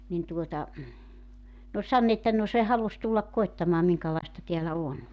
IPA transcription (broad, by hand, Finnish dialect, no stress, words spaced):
nin tuotɑ n oːlʲ sɑnː etːæ no se hɑlus tulːɑk koetːɑmɑː miŋkɑlɑistɑ teælæ on